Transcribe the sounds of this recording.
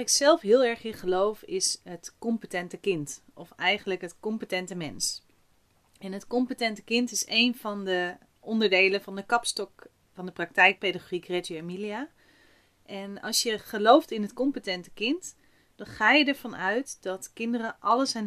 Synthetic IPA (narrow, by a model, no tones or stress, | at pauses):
ɪksɛlˠfɦɪːlˠɛɹχɪχəlowfɪsɦətkɔmpətɛntəkɪntɔfɛjχənləkɦətkɔmpətɛntəmɛns | ɛnɦətkɔmpətɛntəkɪntɪsejnvɑndə | ʔɔndəɹdejləvɑndəkɑpstɔk | fɑndəprɑk̚tɛjk̚pedəχorikrɛtyamilia | ʔɛnɑ̰lˠsjəχəlowftɪnɦətkɔmpətɛntə̥kɪnt | d̥ɑnχaːjədəɹv̥ɑnœɥtdɑtkɪndərəʔɑləsɛn